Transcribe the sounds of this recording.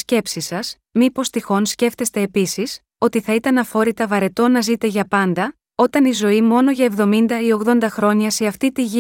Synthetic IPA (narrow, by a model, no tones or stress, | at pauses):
sce̞psisɐs | mipo̞st̪ixo̞nsce̞ft̪e̞st̪e̞ːpisis | o̞t̪iθɐit̪ɐnɐfo̞ɾit̪ɐvɐɾe̞t̪o̞nɐzit̪e̞ʝɐpɐnd̪ɐ | o̞t̪ɐnizo̞imo̞no̞ʝɐe̞vðo̞mind̪ɐio̞ɣðo̞nd̪ɐxɾo̞ɲɐse̞ɐft̪it̪iʝi